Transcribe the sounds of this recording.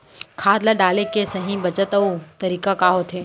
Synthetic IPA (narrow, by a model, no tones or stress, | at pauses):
kʰaːd̪laɖaːlekesɐɦĩbɐt͡ʃət̪ɐut̪ɐɾiːkakaːɦoːt̪ʰeː